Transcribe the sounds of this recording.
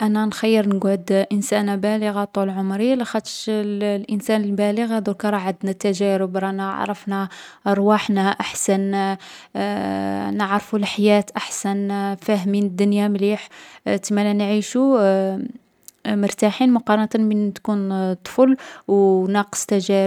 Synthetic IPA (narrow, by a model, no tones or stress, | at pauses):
ʔænænxɑjːəɾˤnəɡʕəd̪ʔənsænabæləɣat̪ˤullʕomɾilæxæt̪ʃllʔənsænəlbæləɣæd̪ukɑɾˤɑʕəd̪næt̪ːæʒæɾəbɾˤɑna̰ʕɾˤəfna | ʔɑɾˤwaħnæʔaħsæn | nəʕɾfulħajæt̪ʔaħsænfæɦminəd̪ːʊnjamliħt̪əmælænʕiʃu | mʊɾt̪aħinmʊqɑɾˤɑnt̪ənbint̪kunt̪ˤːfəlwnɑqə̥sˤt̪æʒæɾ